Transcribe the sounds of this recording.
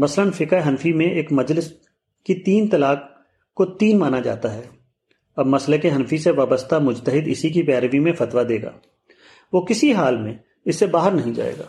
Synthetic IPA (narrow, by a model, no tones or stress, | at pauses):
mɐslənfɪkaɦɐnfimẽʔeːkmɐd͡ʒlɪs | kit̪iːnt̪ɐlaːk | kːot̪iːnmaːnad͡ʒa̰ːt̪aɦɛː | ɐbmɐslekeɦɐnfiseʋaːbəst̪amʊd͡ʒt̪əɦɪd̪ɪsik̬ipɛːɾʋimẽfɐt̪ʋad̪eːɡa̰ː | ʋoːkɪsiɦaːlmẽ | ɪsːebaːɦəɾnɐɦĩd͡ʒa̰ːḛːɡa̰ː